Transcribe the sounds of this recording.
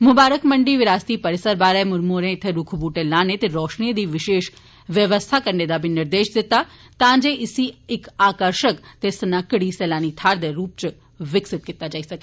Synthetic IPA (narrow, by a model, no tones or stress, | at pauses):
mʊbaːɾəkmɐ̃ɳɖiʋɪɾaːst̪ipɐɾɪsəɾbaːɾəmʊɾmoːɾẽɪt̪ʰeɾʊkʰbuːʈelaːnet̪eɾɔːʃnid̪iʋɪʃeːʃ | ʋjəʋəst̪ʰakɐɾned̪abʱinɪɾd̪eːʃd̪ɪt̪a | t̪ãːd͡ʒeɪsiɪkaːkəɾʃəkt̪esnɐkɽisɛːlaːnit̪ʰaːɾd̪eɾuːp̚t͡ʃ | ʋɪksɪt̪̚kɪt̪ad͡ʒaːisɐke